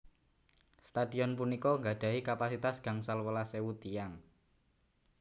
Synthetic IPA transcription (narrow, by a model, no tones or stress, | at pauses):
st̪ad̥i̤ɔnpunikɔŋɡad̥a̤ikapasit̪asɡ̥a̤ŋsalwəlasewut̪ijaŋ